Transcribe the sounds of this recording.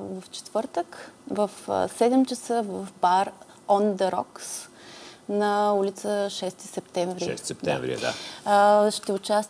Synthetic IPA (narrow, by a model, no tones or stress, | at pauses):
vɐft͡ʃɛ̥t̪vɤɾt̪əkvɐfsɛd̪ɛmt͡ʃəsəvɐfbaɾ | ɔnd̪əɾɔ̰ks | nɐulit̪səʃɛst̪i̥sɛp̚t̪ɛɱvɾisɛt̪ɛ̰vɾḭd̪a̰ | ʃt̪ɛʊt͡ʃast̪